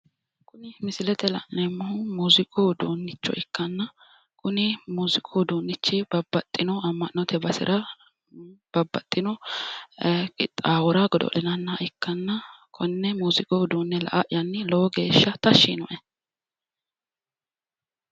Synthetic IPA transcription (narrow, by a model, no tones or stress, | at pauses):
kʊnɪmɪsɪlɛt̪ɛlɐ̰nːɛmːʊhʊmuːzɪkʼoːd̪uːnːɪt͡ʃːɔ̰ʔɪkːɐnːɐ | kʊnɪmuːzɪkʼoːd̪uːnːɪt͡ʃːɛbɐbːɐt̪ʼːɪnɔɐmːɐnnɔt̪ʰɛbɐsɪ̰ɾʔɐ | b̥ɐbːɐt̪ʼːɪnɔ | ɪt̪ʼːaːwɔɾɐɡɔd̪ɔ̰lɛnɐnːɐʔɪkːɐnːɐkʰɔnːɛmuːzɪkʼowd̪uːnːɛlɐ̰ʔɐʔɪjɐnːɪlɔwɔɡe̞ːʃːɐt̪ɐʃːinɔʔɛ